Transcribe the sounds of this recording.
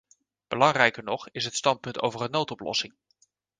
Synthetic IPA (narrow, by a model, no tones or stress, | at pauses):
b̥əlɑŋrɛjkəɹnɔχɪsɦətstɑnt̚pɵnto̰wvərənːowtɔplɔ̰sɪŋ